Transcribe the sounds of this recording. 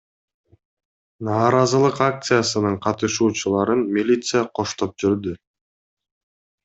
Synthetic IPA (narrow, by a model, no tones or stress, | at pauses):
nɑːɾɑzɯlˠɯqak̚t̪sɨjasɯnɯɴqʰɑt̪ɯʃuːt͡ʃulˠɑɾɯnmʲilʲit̪sɨjaqʰo̞ʃt̪o̞p̚d͡ʒyɾd̪y